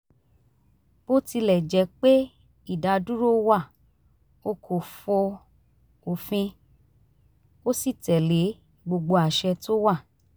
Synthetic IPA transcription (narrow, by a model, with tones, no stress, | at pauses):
b̥o˦ti˧lɛ˨d͡ʒɛ˨˦k͡pe˦ | i˦˨da˨˧du˦ɾo˦wa˦˨ | o˧kʰo˨fɔ˧ | o˨fĩ˧ | o˦si˦˨tɛ˨le˨˦ | ɡ͡bo˧ɡ͡bo˧a˨ʃɛ˧to˦wa˦˨